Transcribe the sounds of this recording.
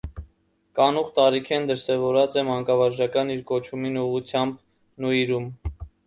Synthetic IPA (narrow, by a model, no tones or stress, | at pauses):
kɑnuχt̪ɑɾikʰɛnd̪əɾsɛvɔɾɑt͡sɛmɑŋkɑvɑɾʒɑkɑniɾkɔt͡ʃʰuminuʁut͡sʰjɑmb | nuiɾum